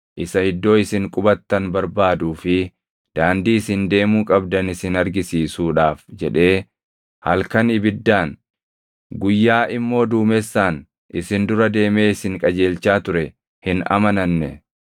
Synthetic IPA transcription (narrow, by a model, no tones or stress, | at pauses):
ʔɪsɐhɪd̪ːo̞ːɪsɪŋkʼʊbɐt̪ːɐnbɐɾbaːd̪uːfɪ | d̪̥aːnd̪iːɪsɪnd̪e̞ːmuːkʼɐbd̪ɐnɪsɪnɐɾɡɪsiːsuːᶑaːfd͡ʒɛᶑe̞ː | hɐ̰lkɐnɪbɪd̪ːaːn | ɡʊjːaːʔɪmːo̞ːd̪uːmɛsːaːn | ʔɪsɪnd̪ʊɾɐd̪e̞ːme̞ːɪsɪŋkʼɐd͡ʒe̞ːlt͡ʃːaːt̪ʊɾɛ | hɪnɐ̰mɐnɐnːɛ